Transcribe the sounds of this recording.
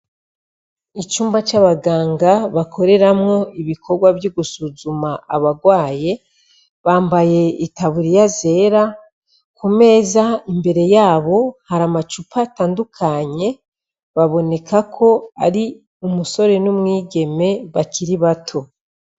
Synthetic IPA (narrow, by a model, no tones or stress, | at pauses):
it͡ʃuːmbat͡ʃaβaɡaːŋɡaβakʰo̞ɾe̞ɾamŋo̞iβikʰo̞ɾɡwavjuɡusuzumaaβaɡwaːje̞ | βaːmbaje̞itaβuɾijaze̞ːɾa | kume̞ːzaimbe̞ɾe̞jaːβo̞haɾamat͡ʃupʰataːndukʰaɲe̞ | βaβo̞ne̞kʰakʰo̞a̰ɾi | umuso̞ɾe̞numŋiːɟe̞me̞βaciɾiβatʰo̞